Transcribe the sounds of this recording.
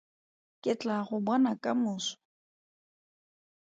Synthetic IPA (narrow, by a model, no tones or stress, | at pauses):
kʼɪt͡ɬʼaɣʊbwanakʼamʊːsɔ̥